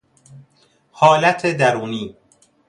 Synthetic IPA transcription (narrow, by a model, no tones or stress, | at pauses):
hɒːlæt̪ʰed̪æɾuːniː